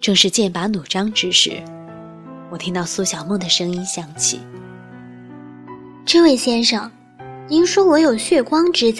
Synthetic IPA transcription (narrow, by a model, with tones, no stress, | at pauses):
ʈ͡ʂɤ˥˧ŋʂɻ̩˥˧t͡ɕjɛ˥˩npa˧˥nu˨˩ʈ͡ʂɑ˥ŋʈ͡ʂɻ̩˥ʂɻ̩̰˨˩˦ | wɔ˨˩t̪ʰi˥ŋt̪ɑ˥˩ʊsu˥˩ɕjɑ˨˩ʊmɤ˥˩d̪ə˩ʂɤ˥ŋi˥nɕjɑ˥˩ŋt͡ɕʰḭ˨˩˦ | ʈ͡ʂɤ˥˧we˥˩ɪɕjɛ˥nʂɤ˥˩ŋ | i˥ŋʂwɔ˥wɔ˧˥jo˨˩ʊɕɥɛ˥˩kwɑ˥ŋʈ͡ʂɻ̩˧˥t͡s